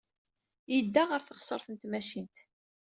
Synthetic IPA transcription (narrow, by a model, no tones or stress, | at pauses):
jəd̪ːaʁəɾθəχsˤəɾˤθənt̪mæʃint̪